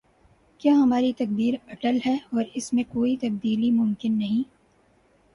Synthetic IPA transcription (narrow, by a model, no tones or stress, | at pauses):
kjaːɦɐmaːɾit̪ɐk̚b̪iːɾɐʈəlɦɛɔːɾɪsmẽkoːit̪ɐb̚d̪iːlimʊmkɪnːɐɦĩ